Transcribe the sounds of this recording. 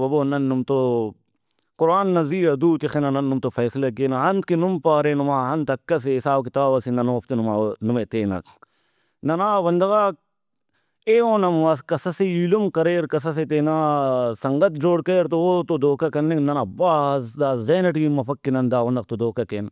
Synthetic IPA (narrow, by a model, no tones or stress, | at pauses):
bɐboːnɐnːumt̪o | kʊɾaːnːɐziːɐd̪uːt̪ixenɐnɐnːumt̪ofɐːsilɐkeːnɐɦɐnt̪̚kinumpaːɾenumaːɦɐnt̪ɐkːɐs̬esaːbkit̪aːbɐsinɐnoːft̪inumanumet̪eːnɐ̰ | nɐnaːwɐnd̪ɐɣa | eoːnɐmwɐskɐsɐsiilumkɐɾeːɾkɐs̬ɐs̬et̪eːnaːsɐŋɡɐt̪̚d͡ʒoːɽkeːɾt̪ooːt̪od̪oːkɐkɐnːiknɐnɐbaːzd̪aːzeːnɐʈinmɐfɐkːinɐnd̪aːʋɐnd̪ɐkt̪od̪oːkɐkeːn